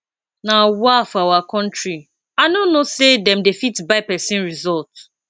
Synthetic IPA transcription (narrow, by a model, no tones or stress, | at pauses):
nawafawakɔ̃n̩t͡ʃɹi | aɪnonosedɛ̃mdefitbaɪpɛsĩnɹizɔlt